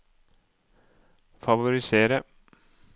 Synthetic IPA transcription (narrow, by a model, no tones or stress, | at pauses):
fɑʋʊɾɪseːɾə